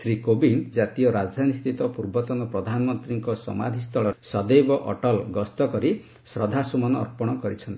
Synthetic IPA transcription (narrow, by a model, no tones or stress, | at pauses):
sɾikobind͡ʒat̪iɔɾad͡ʒd̪ʱanist̪it̪ɔpuɾbɔt̪ɔnɔpɾɔd̪ʱanɔmɔnt̪ɾiŋkɔsɔ̰ma̰d̪ʱist̪ʰɔɭɔsɔd̪ejbɔʔɔ̰ʈɔlɡɔst̪ɔkɔɾi | sɾɔd̪ʱasumɔnɔɔ̰ɾpɔɽ̃ɔkɔɾit͡ʃʰɔnt̪i